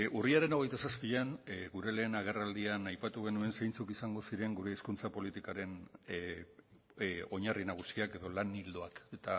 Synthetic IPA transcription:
ʔuriaɾe̞no̞ɣ̞e̞jt̪asaspiʎanɡuɾe̞le̞ːnaɣ̞e̞rald̪ianajpat̪uɣ̞e̞nue̞nsejnt͡sukisaŋɡo̞siɾe̞ŋɡuɾe̞ːskunt͡sapo̞lit̪ikaɾe̞n | o̞ɲarinaɣ̞usiake̞ðo̞lanild̪o̞aket̪a

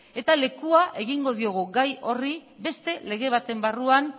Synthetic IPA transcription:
e̞t̪ale̞kuaʔe̞ɣiŋɡo̞ð̞io̞ɣ̞uɣajo̞ribe̞st̪e̞le̞ɣe̞β̞at̪e̞mbaruan

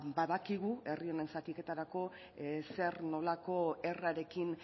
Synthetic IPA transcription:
baðakiɣue̞rio̞ne̞nsat̪ike̞t̪aɾako̞ | se̞ɾno̞lako̞e̞raɾe̞kin

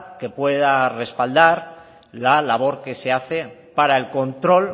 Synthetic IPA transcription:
ke̞pwe̞ð̞are̞spald̪aɾ | lalaβ̞o̞ɾke̞se̞aθe̞paɾae̞lko̞nt̪ɾo̞l

